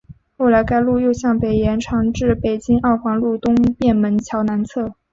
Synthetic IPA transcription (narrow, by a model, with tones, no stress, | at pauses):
xo˥˩ʊla˧˥ɪka˥ɪlu˥˧jo˥˧ʊɕjɑ˥˩ŋpe˨˩ɪjɛ˧˥nʈ͡ʂʰɑ˧˥ŋʈ͡ʂɻ̩˥˩pe˨˩ɪt͡ɕi˥ŋʔɑ˥˩ʊfɑ˧˥ŋlu˥˩t̪ʊ˥ŋpjɛ˥˩nmə˧˥nt͡ɕʰjɑ˧˥ʊna˧˥nt͡sʰɤ˥˩